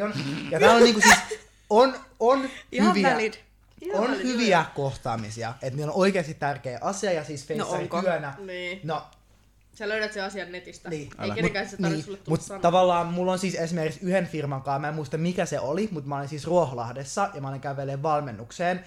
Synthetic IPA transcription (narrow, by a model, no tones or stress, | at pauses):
onjɑt̪æːloniːŋkusiːs | ononhyʋiælid | onhyʋiækoht̪ɑːmisiɑ̰et̪miːlːonoikeːst̪it̪t̪ærkeːʔɑsiɑjɑsiːsfeiɑrik̪yønæniːno | sæløyɾæt̪seɑsiɑnnet̪ist̪æniːemukæsniːulːmut̪tɑʋɑlːɑːmmulːonsiːsesimerkiksyhenfirmɑŋkɑːmæemuist̪ɑmmikæseʔolimut̪mɑolinsiːsruoholɑ̰hdesːɑjɑmɑoliŋkæʋelːeːʋʋɑlmenːukseːn